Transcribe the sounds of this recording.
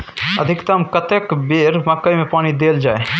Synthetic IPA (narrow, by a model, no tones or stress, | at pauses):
ə̰d̪ʱikt̪əmkət̪ekbeɾməkːəjmepaːnid̪eld͡ʒae